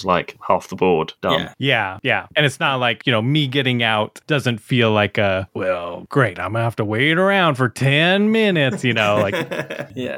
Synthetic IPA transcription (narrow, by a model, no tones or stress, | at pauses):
zlaɪkhæfðəbɔɹd̥ʌ̰̃mjæjæɨ̃ñɨtsnət̚ˡlaɪkjɨnoʊmiɡɛɾɪ̃ŋaʊtd̥ʌzɨ̃ntfilaɪkʌwɛlˠɡ̥ɹeɪɾãɪ̃mɡənɨhæftəweɪɾə˞ãʊ̃nd̥fə˞tʰɛ̃nmɪnɪtsjɨnoʊlaɪk